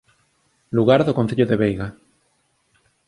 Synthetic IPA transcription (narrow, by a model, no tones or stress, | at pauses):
luɣaɾðokonθeʎoðeβejɣa